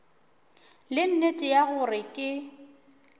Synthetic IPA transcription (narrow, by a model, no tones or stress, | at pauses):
lɪn̩netʼɪjaɣʊrɪkʼɪ